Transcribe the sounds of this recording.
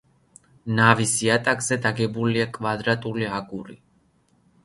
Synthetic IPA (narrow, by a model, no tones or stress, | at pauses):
navisiat̪ʼakz̥ɛd̪aɡɛbuliakʼvad̪ɾat̪ʼuliaɡuɾḭ